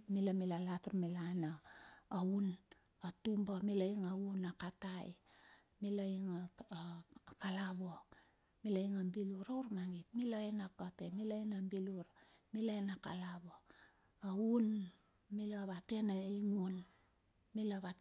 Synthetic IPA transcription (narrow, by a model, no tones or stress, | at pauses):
milamilalataɾmilanaː | un | atumbamilaiŋaunakataj | milaiŋa | kalaβo | milaiŋambiluɾawɾmaŋitmilaenakatemilainambiluɾ | milaenakalaβoː | un | milaβate̞naiŋun | milaβa